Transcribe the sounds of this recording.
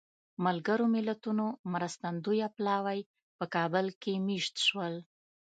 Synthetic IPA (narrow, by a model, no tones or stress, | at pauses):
malɡəɾomɪlat̪unomɾast̪and̪ujaplɑwaj | pəkɑbəlkemiʃt̪ʃwəl